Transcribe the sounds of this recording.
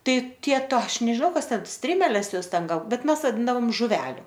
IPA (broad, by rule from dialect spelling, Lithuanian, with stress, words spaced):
ˈtɐɪ ˈtʲiɛ ˈtoː ˈɐʃ nʲɛʒʲɪˈnɐʊ ˈkɐs ˈtʲɛn ˈsʲtʲrʲɪmʲɛlʲɛs ˈjoːs ˈtʲɛn ˈɡɐlˠ ˈbʲɛt ˈmʲɛs ʋɐˈdʲɪndɐʋoːm ʒʊˈʋʲæːlʲʊ